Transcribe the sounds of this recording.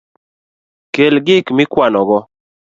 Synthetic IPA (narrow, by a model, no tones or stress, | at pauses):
kelɡɪkmɪkwanɔɡɔ